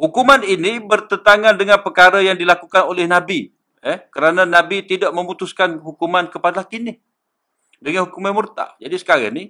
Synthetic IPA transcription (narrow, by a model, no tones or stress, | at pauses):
hukumaninibərt̪ənt̪aŋandəŋanpərkaɾajaŋdilakukanolɛhnãbi | əhkəɾanãnãbit̪idaʔmə̃mut̪uskanɦukumankəpadalahkinɪh | dəŋanhukumanmurt̪a̰ʔd͡ʒadisə̥kaɾa̰ni